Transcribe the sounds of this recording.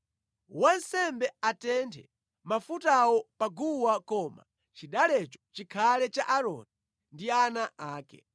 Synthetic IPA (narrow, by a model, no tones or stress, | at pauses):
wansɛmbɛatɛntʰɛ | mafutawɔpaɡuwakɔːma̰ | t͡ʃiɗalɛt͡ʃɔ̥t͡ʃikʰalɛt͡ʃaʔaɾɔ̰ni | ndianaʔaːkɛ̰